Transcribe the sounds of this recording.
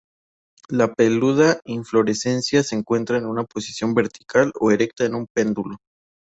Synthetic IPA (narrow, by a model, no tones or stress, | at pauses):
lape̞luð̞aiɱflo̞ɾe̞se̞nsjaseːŋkwe̞nt̪ɾaenunapo̞si̥sjo̞mbe̞ɾt̪i̥kalo̞eɾe̞k̚t̪aenũmpe̞nd̪ulo